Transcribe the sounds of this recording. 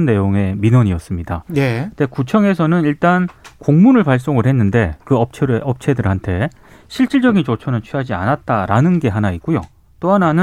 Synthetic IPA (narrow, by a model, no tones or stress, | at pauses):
nːe̞joŋe̞minwʌɲiʌs͈ɯmɲida̰ekɯdekut͡ɕʰʌŋe̞sʰʌnɯniɭt͈ankoŋmunɯɭpaɭs͈oŋɯɭɦe̞nːɯnde̞kɯʌp̚t͡ɕʰɾʔʌp̚t͡ɕʰe̞dɯɾɦantʰe̞ | ɕʰiɭt͡ɕ͈iɭd͡ʑʌɡint͡ɕot͡ɕʰʌnɯnt͡ɕʰɥiɦad͡ʑia̰nat̚t͈aɾanɯnɡe̞ɦanaik̚k͈ujo | t͈oɦananɯ